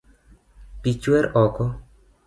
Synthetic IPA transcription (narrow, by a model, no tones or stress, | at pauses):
pit͡ʃwɛɾɔkɔ